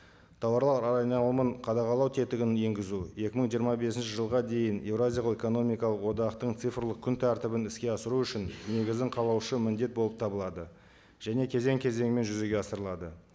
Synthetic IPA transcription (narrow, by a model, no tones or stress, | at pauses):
t̪ʰɑwɑɾlˠɑɾɑɾɑjnɑlˠəməɴqʰɑd̪ɑqɑlˠɑwt̪ʰe̞t̪ɪɡʲɪnje̞ŋɡʲɪzuje̞kʲɪməɴʒijəɾmɑbe̞sɪnʃɪʒəlˠʁɑd̪e̞jɪne̞vɾazʲijaloeko̞no̞mijkɑlˠəqwo̞d̪ɑqt̪əɴt̪sɨjfɾlˠəq̚kʲʰʏnt̪ʰæɾt̪ɪbɪnɪskʲe̞ɑsəɾuʏʃɪnne̞ɡʲɪzd̪ɪɴqʰɑlˠɑwʃəmɪnd̪e̞t̪̚bo̞lˠəp̚t̪ʰɑbəlˠɑd̪ə | ʒ̥æne̞kʲʰe̞ze̞ŋkʲʰe̞ze̞ŋme̞nʒʏze̞ɡʲe̞ɑsəɾəlˠɑd̪ə